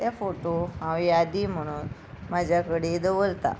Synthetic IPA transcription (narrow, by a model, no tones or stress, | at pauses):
t̪afoʈoɦãʋiad̪iːm̤əɽ̃uːn | mad͡ʑʱjakəɽed̪əʋəlt̪a̰